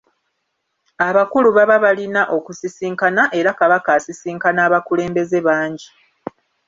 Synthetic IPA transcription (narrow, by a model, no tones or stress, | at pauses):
aβakuluβaβaβalinaʔo̞kusisiːŋkanaʔe̞ɾakaβakaːsisiːŋkanaːβakule̞ːmbe̞ze̞βaːɲɟi